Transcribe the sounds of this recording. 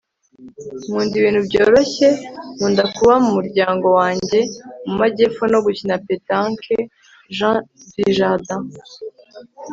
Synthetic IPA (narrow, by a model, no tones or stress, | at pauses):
muːndiβiːn̥hubɟo̞ːɾo̞çemuːndakuβamumuɾɟaːŋɡo̞waːɲɟe̞mumaɟeːfono̞ɡucinapetaŋkʰe | ʒãdiʒada